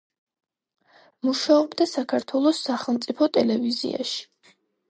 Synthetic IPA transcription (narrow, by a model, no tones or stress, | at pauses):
muʃaɔbd̪asakʰaɾt̪ʰwɛlˠɔsːaχɛlˠmt̪sʼipʰɔt̪ʼɛlɛvizḭa̰ʃi̥